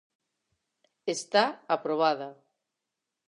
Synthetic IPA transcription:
est̪aapɾoβ̞aða

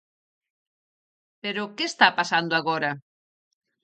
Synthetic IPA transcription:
peɾʊkeːst̪apasand̪oaɣɔɾɐ

